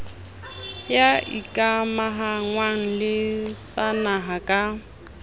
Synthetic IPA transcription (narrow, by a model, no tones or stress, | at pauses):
jaḭkʼamaɦaŋwaŋ̩lɪt͡sanaɦakʼa